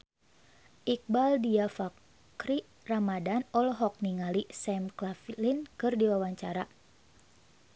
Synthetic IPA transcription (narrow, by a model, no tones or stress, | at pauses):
ʔik̚baldiafak | kɾi | ramadanɔlɦɔk̚niŋalisɛmklaflinkɨrdiwawaɲt͡ʃaɾa